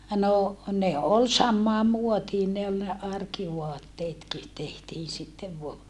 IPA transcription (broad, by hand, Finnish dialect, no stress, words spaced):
no ne ol sɑmːɑːm muotiːn ne ol ne ɑrkiʋoɑtːeːtki tehtiːn̞ sitːeʋ ʋoɑ